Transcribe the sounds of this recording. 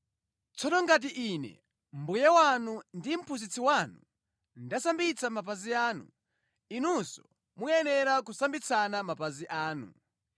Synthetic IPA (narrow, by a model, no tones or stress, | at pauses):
t͡sɔnɔŋɡat̬iʔiːnɛ̰ | mbujɛwanundim̩pʰuzit͡sʰiwanu | ndasambit͡sʰamap̬aziaːnṵ | inusɔ̥̰ | mujɛnɛɾakusambit͡sʰanamapaziʔaːnṵ